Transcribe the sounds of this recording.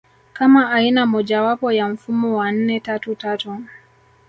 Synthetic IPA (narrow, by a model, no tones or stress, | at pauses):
kamaʔainamɔʄawapɔjam̩fumɔwan̩nɛtatutatu